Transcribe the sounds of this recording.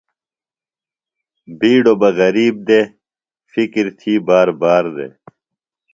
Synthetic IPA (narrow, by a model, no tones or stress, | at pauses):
biːɖobɐɣɐɾiːb̚d̪e | fikɾt̪ʰiːbaːɾbaːɾd̪ḛː